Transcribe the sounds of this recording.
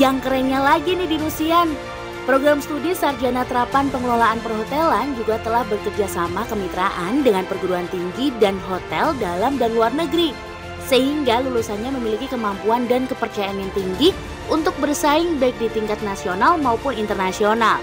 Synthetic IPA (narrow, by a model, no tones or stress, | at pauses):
jaŋkəɾɛŋɲalaɡinɪhdiɾusian | pɾoɡɾamst̪udisard͡ʒanat̪əɾapanpəŋəlolaʔːnpərɦot̪ɛland͡ʒuɡat̪əlahbərkərd͡ʒasamakəmit̪ɾaʔandəŋanpərɡuɾuant̪iŋɡidanɦot̪ɛldalamdaɾiluarnəɡɾi | səhiŋɡalulusanɲaməmilikikəmampuandankəpərt͡ʃajaanjaŋt̪iŋɡi | ʔunt̪ʊk̚bərsaɪŋbaɪk̚dit̪iŋkat̪̚nasionalmaupʊnint̪ərnasional